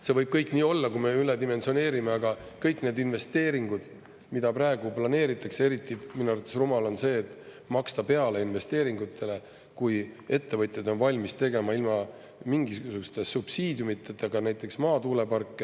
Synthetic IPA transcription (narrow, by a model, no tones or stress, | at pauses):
se̞vɤjb̥̚kɤjkːˑniːo̞lːɑkume̞yled̪ime̞nsio̞ne̞ːɾimeɑɡ̥ɑ | kɤjkːˑne̞ːd̪inve̞st̪e̞ːɾiŋɡud̪̥ | mid̪̥ɑpɾɑe̞ɡ̥uplɑne̞ːɾit̪ːˑɑksee̞ɾit̪ˑːiminuɑɾut̪ːˑesrumɑlo̞nse̞ːt̪ːˑ | mɑkst̪ɑpe̞ɑle̞inve̞st̪eːɾiŋɡut̪ʰːˑe̞le̞ | kuje̞t̪ːe̞vɤt̪ʲˑjed̪o̞nvɑlʲmist̪e̞ɡe̞mɑilmɑ | miŋɡissukust̪esub̥siːd̪̥ʲjumit̪ːˑet̪ːˑeɡ̥ɑnæjt̪ːˑe̞ksmɑːt̪uːle̞pɑrkˑːe